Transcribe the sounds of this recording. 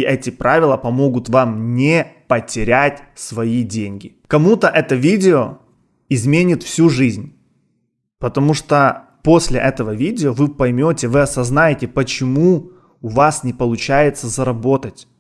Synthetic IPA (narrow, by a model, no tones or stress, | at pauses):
ʔɛtʲɪpɾavʲɪlˠəpɐmo̞ɡʊt̪vamnʲepətʲɪɾʲætʲsvɐidʲenʲɡʲɪ | kɐmut̪əʔɛt̪əvʲidʲɪo | ɪzmʲenʲɪt̪fsʲuʐɨzʲnʲ | pət̪ɐmuʂt̪o | po̞sʲlʲɪ̰ʔɛt̪əvəvʲidʲɪovɨpɐjmʲotʲɪvɨɐsɐznajɪtʲɪpət͡ɕɪmu | ʊvasnʲɪpəlˠʊt͡ɕæjɪt̪səzəɾɐbo̞t̪ətʲ